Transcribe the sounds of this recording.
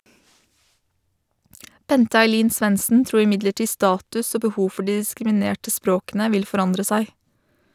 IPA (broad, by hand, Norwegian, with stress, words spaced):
ˈbɛntə ɑɪˈliːn ˈsʋɛnsn̩ ˈtɾuːɾ ɪˈmɪdləˌʈiː ˈstɑːtʉs ˈoː bəˈhuː ˈfɔ ˈɖiː ɪskɾɪmɪˈneːʈə ˈspɾoːkənə ˈʋɪl fɔˈɾɑndɾə ˈsæɪ